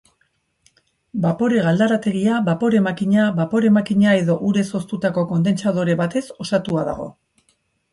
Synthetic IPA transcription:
bapo̞ɾe̞ɣald̪aɾat̪e̞ɣ̞iaβapo̞ɾe̞makiɲaβapo̞ɾe̞makiɲae̞ðo̞ʔuɾe̞so̞st̪ut̪ako̞ko̞nd̪e̞nt͡sað̞o̞ɾe̞βat̪e̞so̞sat̪uaða̰ɣ̞o̞̰

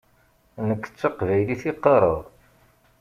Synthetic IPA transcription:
nəkːə̥t͡sːaqvæjliθiqːəɾˤə̰ðˤ

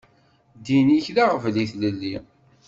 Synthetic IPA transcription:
d̪iniçlaʁvliθləlːi

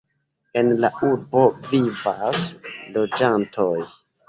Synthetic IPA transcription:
e̞nlaʔuɾbo̞vivaslo̞d͡ʒantʰo̞j

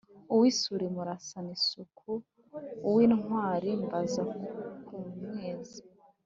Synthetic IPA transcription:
uwisuɾemuɾasanisukʰuː | wiːnŋwaːɾimbazahukumweːze

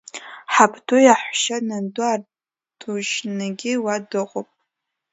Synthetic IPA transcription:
ħapʰdʰujaħʷʃanandʊar | dʰuʒnaɡʲɪwadɨqʷʼopʼ

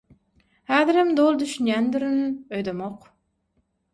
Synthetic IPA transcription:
hæːðɪɾɪmd̪olˠd̪yʃynjʲɛnd̪yɾɪnøjd̪əmoq

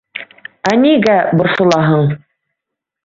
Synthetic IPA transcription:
æniɡæbŏɾsɤ̆lˠɑɦɤɴ

